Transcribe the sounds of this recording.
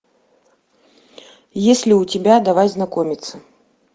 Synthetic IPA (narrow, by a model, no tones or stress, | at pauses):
jesʲlʲiut͡sʲɪbʲad̪avajʲznakɔmʲit̪sə